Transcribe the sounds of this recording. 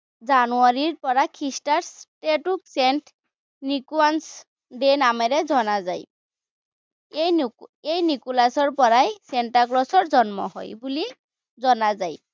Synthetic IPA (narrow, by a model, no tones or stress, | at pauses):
zanuaɹiɹpɔɹakʰistaɹsʈeʈuksɛnʈ | nikuans | ɖenamɛɹɛzɔnazaj | jejnikulasɔɹpɔɹajsɛnʈaklɔsɔɹzɔnmɔ̰ɦɔ̰jbuli | zɔnazaj